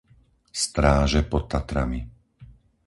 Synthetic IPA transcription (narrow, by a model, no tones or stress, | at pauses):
st̪ɾaːʒɛpɔtt̪ːat̪ɾami